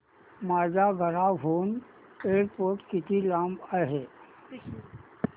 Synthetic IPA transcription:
maːd͡ʒaɡʱəɾaɦoːn | eːɾpoːʈkɪt̪ilãːmbaɦe

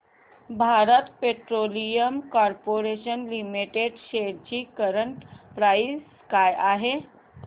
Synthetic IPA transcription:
bʱaɾət̪peʈɾolijəmkɔɾpoɾeʃənlimiʈeɖʃeɾt͡ɕikəɾəɳʈpɾaisːkajaɦe

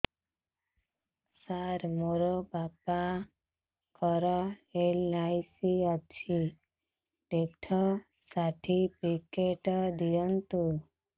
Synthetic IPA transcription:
saɾmoɾobapa | kɔɾɔelnajsiat͡ʃʰi | ʈeʈʰɔ | saʈʰipikeʈɔd̪ijɔnt̪u

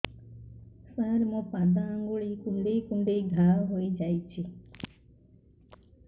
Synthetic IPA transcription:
səɾmũpad̪ãŋɡoɭikũɳɖiːkũɳɖiɡʱaːwɦoid͡ʒait͡ʃʰi

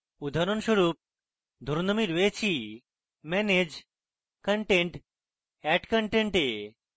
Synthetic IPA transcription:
ud̪ʱaɾonʃoɾup̚ | d̪ʱoɾnomiɾoet͡ɕʰi | mɛned͡ʑ | kəɳʈeɳʈ | ɛʈkəɳʈeɳʈe

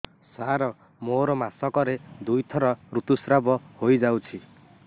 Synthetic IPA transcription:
saɾɔ | moɾɔmasɔkɔɾed̪ujt̪ʰɔɾɔɾut̪usɾabɔhojd͡ʒawt͡ʃʰi

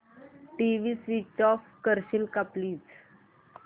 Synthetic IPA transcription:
ʈiʋiːsʋit͡ɕɔfkəɾɕilkapliːt͡s

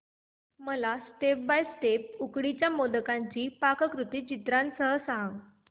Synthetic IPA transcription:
məlasʈep̚bajsʈep̚ukɽit͡ɕjamod̪əkaɲt͡ɕiːpakəkɾut̪iːt͡ɕit̪ɾansəɦəsaŋɡ

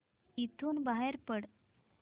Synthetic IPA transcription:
it̪ʰuːnbaɦeɾpəɽ

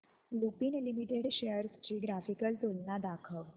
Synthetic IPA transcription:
lupinlimiʈeɖɕejəɾst͡ɕiɡɾafikəlt̪olnad̪akʰəʋ

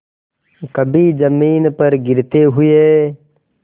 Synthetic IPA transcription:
kəbʱid͡ʒəmiːnpəɾɡɪɾt̪eɦʊeː

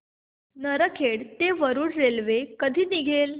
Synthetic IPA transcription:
nəɾəkʰeɽt̪eʋəɾuːɽɾelʋekəd̪ʱiːniɡʱel

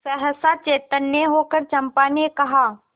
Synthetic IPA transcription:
sɛɦəsat͡ʃeːt̪ənjeɦoːkəɾt͡ʃɐ̃mpaːnekɐɦaː

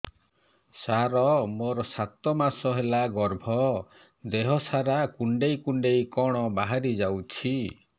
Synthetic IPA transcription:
saɾɔmoɾɔsat̪ɔmasɔɦelaɡɔɾbʱɔ | d̪eɦɔsaɾakuɳɖejkuɳɖejkɔɽ̃ɔbaɦaɾid͡ʒawt͡ʃʰi

